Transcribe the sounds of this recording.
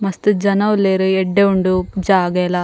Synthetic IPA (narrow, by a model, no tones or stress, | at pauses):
mɐst̪ud͡ʒɐnɐʋlːeːɾuɛɖːeuɳɖud͡ʒaːɡɐjlɐ